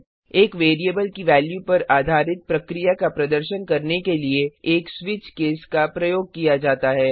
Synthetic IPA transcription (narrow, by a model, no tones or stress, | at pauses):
eːkʋeːɾiəbəlkiʋɛːljupɐɾaːd̪ʱaːɾɪt̪̚pɾɐkɾijakapɾɐd̪əɾʃənkɐɾnekelieeːkswɪt͡ʃkeːskapɾɐjoːɡ̚kijad͡ʒaːt̪aɦɛː